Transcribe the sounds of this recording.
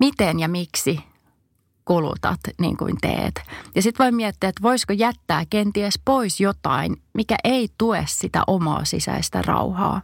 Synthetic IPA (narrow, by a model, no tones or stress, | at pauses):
mit̪enjɑmiksi | kulṵt̪ɑ̰t̪nḭːŋkṵint̪ḛːt̪jɑsit̪ʋoimmiæt̪ːiæet̪ʋoiskojæt̪ːæːkent̪iespoisjot̪ɑinmikæʔeit̪uessit̪æ̰ʔomɑ̰ːsisæ̰ist̪æ̰rɑ̰uhɑ̰ː